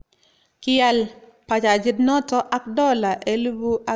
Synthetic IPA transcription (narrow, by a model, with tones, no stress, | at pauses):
kɪɛ˨l | pa˨t͡ʃa˨d͡ʒi˦dnɔ˦tɔ˦ʔa˦kdɔ˦la˨ʔe˦lu˦bu˦a˦